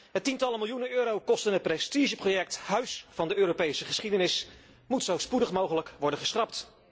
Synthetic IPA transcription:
ɦətintɑləmɪlˠjunənøːɾowkɔstənɦət̚prɛstiʒəprojɛk̚tɦœɥsfɑndəøːɾopejsəχəsχidənɪs | mutsowspudəχmowχələkʋɔɹdənχəsχrɑpt

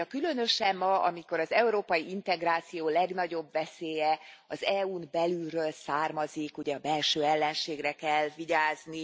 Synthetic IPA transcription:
ɒkylø̞nø̞ʃɛmːɒɒ̰miko̞ɾɒzɛuɾoːpɒjiint̪ɛɡraːt̪sijoːlɛɡnɒɟo̞bʋɛseːjɛɒzɛuːnbɛlylrøːlsaːrmɒzikuɟɛɒbɛlʃøːɛlːɛnʃeːɡrɛkɛlːviɟaːzni

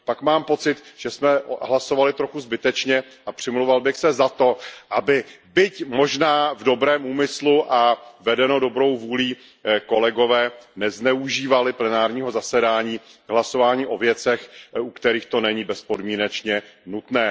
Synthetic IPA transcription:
pakmaːmpo̞t͡sɪt̪ʒ̥ɛsmɛɦlaso̞valɪt̪ɾo̞xuzbɪt̪ɛt͡ʃɲɛʔapr̝̥ɪmlowvalbɪxsɛzat̪o̞ʔabɪbɪcmo̞ʒnaːvdo̞bɾɛːmʔuːmɪsluʔavɛdɛno̞do̞bɾo̞wvuːliː | ko̞lɛɡo̞vɛːnɛznɛuʒiːvalɪplɛnaːɾɲiːɦo̞zasɛdaːɲiːvɦlaso̞vaːɲiːʔo̞vjɛt͡sɛxukt̪ɛɾiːxt̪o̞nɛɲibɛspo̞dmiːnɛt͡ʃɲɛnut̪nɛː

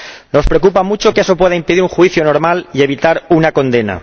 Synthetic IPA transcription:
no̞spɾe̞okupamut͡ʃo̞ke̞so̞pwe̞ðaimpeðiɾuŋxwiθjono̞ɾmalie̞β̞it̪aɾunako̞nd̪e̞na̰

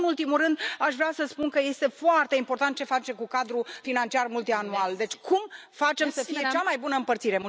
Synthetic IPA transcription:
nult̪imulrɨnd̪aʃvɾeasəspunkəje̞st̪e̞foart̪e̞impo̞rt̪ant̪̚t͡ʃe̞fat͡ʃe̞kukad̪ɾufinant͡ʃiarmult̪ianuald̪e̞t͡ʃʲkʰumfat͡ʃe̞msəfije̞t͡ʃamajbunəɨmpərt̪siɾe̞mu

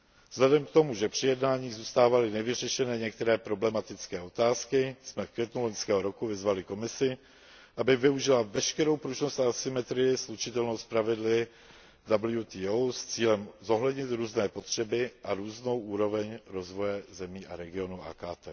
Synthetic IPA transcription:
vz̥lɛdɛmk̚t̪o̞muʒɛpr̥ɪjɛdnaːɲiːɣzuːst̪aːvalɪnɛvɪr̝ɛʃɛnɛːɲɛk̚t̪ɛɾɛːpɾo̞blɛmat̪ɪt͡skɛːo̞t̪aːskɪsmɛfkvjɛt̪nuloɲskɛːɦo̞ɾo̞kuvɪzvalɪko̞mɪsɪ | ʔabɪvɪuʒɪlavɛʃkɛɾo̞wpɾuʒnost̪asɪmɛt̪ɾɪjɪslut͡ʃɪt̪ɛlnowspɾavɪdlɪ | dabl̩jut̪iːowst͡siːlɛmzo̞ɦlɛdɲɪt̪ɾuːznɛːpo̞t̪r̝̥ɛbɪʔaɾuːzno̞wʔuːɾo̞vɛɲɾo̞zvo̞jɛzɛmiːʔa̰ɾɛɡɪo̞nuʔa̰ːkaːt̪ɛ̰ː

